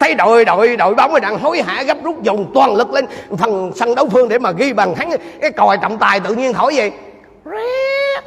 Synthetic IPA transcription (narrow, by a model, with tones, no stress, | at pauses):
t̪ʰə˨˦jɗo˧˨jɗo̰˧˨jɗo̰˧˨jɓa˨˦wŋ͡mnə˨˩ɗaː˧ŋɦo˨˦jɦa̰ː˧˩ɣa˦˥p̚zu˦˥t̚zo˨˩ŋ͡mt̪waː˨˩nlɨ˨˩k̚le˧nfə˨˩nsa˧ŋɗə˨˦wfɨ˧əŋɗe˧˩maː˨˩ɣi˧ɓaː˨˩ŋt̪ʰa˨˦ŋ̟˧kaː˨˦jkɔ˨˩jt͡ɕɔ̰˧˨wŋ͡mt̪aː˨˩jt̪ɨ̰˧˨ɲi˧ənt̪ʰə˧˩˦jzə˨˩j